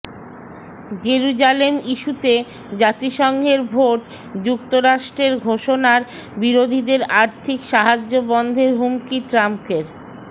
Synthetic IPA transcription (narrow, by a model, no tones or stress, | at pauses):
d͡ʑeɾud͡ʑalemiʃut̪e | d͡ʑat̪iʃɔŋɡʱeɾbʱoʈ | d͡ʑuk̚t̪oɾaʃʈɾeɾɡʱoʃonaɾbiɾod̪ʱid̪eɾaɾt̪ʰikʃaɦad͡ʑːobɔnd̪ʱeɾɦumkiʈɾamkeɾ